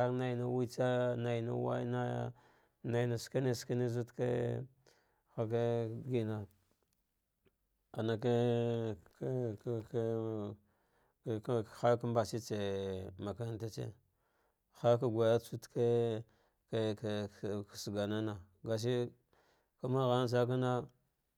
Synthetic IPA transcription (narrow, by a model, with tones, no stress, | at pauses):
na˨i˨na˦wi˦t͡sa˦na˨i˨na̰˦wa̰˦na˦ | na˨i˨na˨ska˦ne˨ska˦ni˦zu˦tka̰˦ | xa˨ka˦ɡi˨na˨ | a˨na˨ka˦ | k | xa˦ka˦mba˨t͡ʃi˦t͡se˨ma˨ka˨˦˨ta˦t͡ʃḛ˦ | xa˦k̬a˦ɡʷa˨ja˦t͡su˦tke˦˨ | sɡa˨na˦na˨ | ɡa˨s̬i˦ | ka˦ma˦ɣa˦n˦s̬a˦k̬a˦na˦